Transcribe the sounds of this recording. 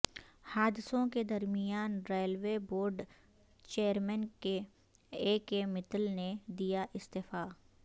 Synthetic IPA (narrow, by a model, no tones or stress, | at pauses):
haːd̪ɪsõked̪ɐɾmijaːnɾeːlweboːɾɖ | t͡ʃeːəɾmɛnke | eːkemɪt̪əlned̪ijaʔɪst̪eːfaː